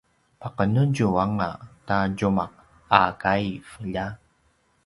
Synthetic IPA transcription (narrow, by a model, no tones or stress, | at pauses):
paqənuɟuaŋataɟumaq̚ | akajfəʎa